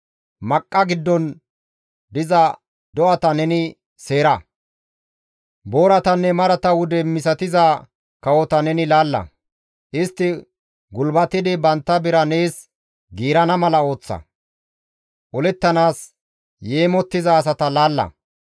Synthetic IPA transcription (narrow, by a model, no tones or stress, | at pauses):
mɐkʼːɐɡɪd̪ːɔn | d̪ɪzɐ | d̪ɔʔɐt̪ɐnɛnɪ | se̞ːɾɐ | bo̞ːɾɐt̪ɐnːɛmɐɾɐt̪ɐwʊd̪ɛmɪs̬ɐt̪ɪza | kɐwɔt̪ɐnɛnɪlaːlːɐ̰ | ʔɪst̪ːɪ | ɡʊlbɐt̪ɪd̪ɪbɐnt̪ːɐbɪɾɐne̞ːs | ɡiːɾɐnɐmɐlɐo̞ːt͡sːɐ̰ | ʔɔlɛt̪ːɐnaːs | je̞ːmɔt̪ːɪzɐːsɐt̪ɐlaːlːɐ̰